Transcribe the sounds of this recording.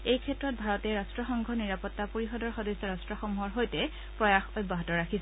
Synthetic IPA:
ejkʰɛtɹɔt̚bʱaɹɔtɛɹastɹɔxɔŋɡʱɔniɹapɔtːapoɹixɔdɔɹxɔdɔsːɔɹastɹɔxɔmuɦɔɹɦojtɛ | pɹɔjaxɔjbaɦɔtɔɹakʰis

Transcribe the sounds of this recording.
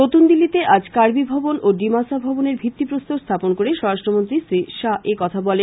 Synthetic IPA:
not̪und̪ilːit̪eʔad͡ʑkaɾbibʱɔbonʔoɖimasabʱɔboneɾbʱit̪ːipɾost̪ost̪ʰaponkoɾeʃɔɾaʃʈɾomont̪ɾisɾiʃaekɔt̪ʰabɔle

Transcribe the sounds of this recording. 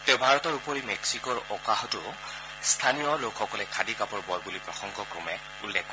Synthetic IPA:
tɛʊbʱaɹɔtɔɹupɔɹimɛksikɔɹɔkaɦɔtʊ | st̪ʰanijɔlokʰxɔkɔlɛkʰadikapɔɹbɔjbulipɹɔxɔŋɡɔkɹɔmɛ | ulːɛkːɔ

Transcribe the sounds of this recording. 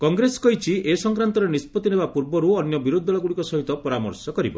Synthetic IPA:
kɔŋɡɾesɔ̥kɔɦjt͡ʃʰiesɔŋkɾant̪ɔɾenispɔt̪inebapuɾbɔɾuɔnjɔbiɾud̪ʱːɔɭɔɡuɽikɔsɔɦit̪ɔpɔɾamɔ̰ɾsɔkɔɾibɔ̰

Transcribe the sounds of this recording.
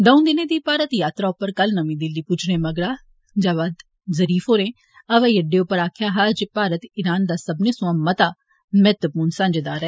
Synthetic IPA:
d̪əũd̪ɪnẽːd̪iːpaːɾət̪jaːt̪ɾaːʊpːəɾkəlnəmĩːd̪ɪlːiːput͡ʃʰnẽːməɡɽaː | d͡ʒaːʋaːd̪ | zəɾiːfɦoːɾẽː | əʋɛ̃ːjəɖeːʊpːəɾaːkʰjaːɦaːd͡ʒepaːɾət̪ɪɾaːnd̪aːsəbneːsʊ̃ãːmət̪aː | mɛːt̪əpuːnsãːɲd͡ʒd̪aːɾɛː

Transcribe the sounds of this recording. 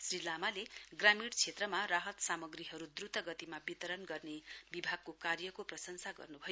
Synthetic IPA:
srilamaleɡramiɽt͡sʰet̪rʌmaraɦʌt̪samʌɡriɦʌɾud̪rut̪ʌɡʌt̪imabit̪ʌɾʌnɡʌrnebibʱaɡ̚kokarjʌkoprʌsʌnsaɡʌ̰rnubʱʌjo

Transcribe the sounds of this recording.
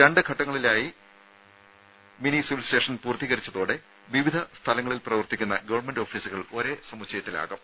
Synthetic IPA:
ɾeɳɖɨkʰɐʈːɐŋːɐɭilaːji | minisiʋilsteːʂɐnpuːrt̪iɣɐɾit͡ɕːɐðoːɽe | ʋiʋid̪ʱɐst̪ʰɐlɐŋːɐɭilprɐʋɐrt̪ikʲːunːɐɡɐʋɐrɳme̞nɖoːfiːsuɣɐɭo̞ɾe̞sɐmut͡ɕːɐjɐt̪ːila̰ːɣɐm

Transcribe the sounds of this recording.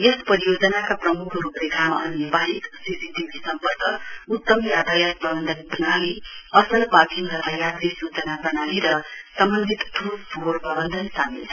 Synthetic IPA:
jʌspʌɾijod͡zʌnakaprʌmukʰrupleɡʱamaʌ̰nebaɦiksisiʈibʱisʌmpʌrkʰʌut̪ːʌmjat̪ajak̚pʌbʌnd̪ʱʌnbʌnaliʌsʌlpakiŋɡʌt̪ajad̪ɾisut͡sʌnabʌnaliɾʌsʌmbʌnd̪ʱit̪t̪ʰupsorbʌbʌnd̪ʱʌnsamḭlt͡sʰʌ

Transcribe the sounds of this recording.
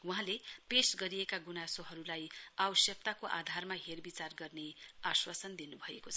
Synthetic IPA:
wuɦãlepesɡʌɾiekaɡunasoɦʌɾulajawʌsjʌk̚t̪akoʔa̰d̪ʱarmaɦerbit͡sarɡʌrneaswasʌnd̪inubʱʌekot͡sʰʌ

